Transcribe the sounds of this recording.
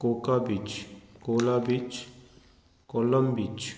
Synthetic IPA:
koːkabit͡ʃkoːlabit͡ʃ | kɔləmbit͡ʃ

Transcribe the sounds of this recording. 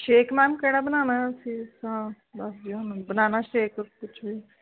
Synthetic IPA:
ʃeːkmɛːnkɛːɽaːbənaːnaːəsĩːsãː | bəsd͡ʒiːɦənubənaːnaːʃeːkkʊt͡ʃʰʋiː

